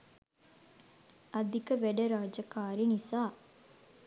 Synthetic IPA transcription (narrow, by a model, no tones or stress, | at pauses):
ɐd̪ikɐʋeɖɐɾaːd͡ʒɐkaːɾinisaː